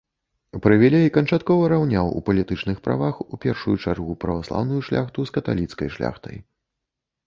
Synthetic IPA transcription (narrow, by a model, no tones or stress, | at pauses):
pɾɨvʲɛlʲɛikɐnt͡ʂat̪kɔvɐɾawnʲawṵpɐlʲit̪ɨt͡ʂnɨxpɾa̰vaxupʲɛrʂujut͡ʂarɣupɾɐvaslˠa̰wnujuʂlʲʔa̰xt̪uskɐt̪a̰lʲit̪skɐjʂlʲa̰xt̪ɐ̰j